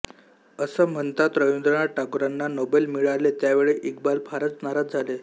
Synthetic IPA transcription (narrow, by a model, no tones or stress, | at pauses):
əsəm̤əɳt̪at̪ɾəjund̪ɾəɳ̃aʈakuɾanːanobelmiɭalet̪jaʋeɭeʔik̚balfʰaɾət͡snaɾat̪̚d͡zʱale